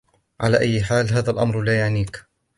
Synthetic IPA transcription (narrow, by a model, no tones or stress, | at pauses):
ʕa̰laːʔajːɪħaːlɦaːðalʔamɾlaːjaʕniːk